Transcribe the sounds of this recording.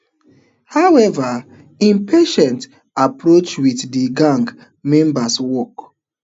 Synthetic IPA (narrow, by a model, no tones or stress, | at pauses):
hawɛva | ĩmpʰeʃɛ̃nt | apɾot͡ʃwiθdiɡãŋɡ | mɛ̃mbaswɔk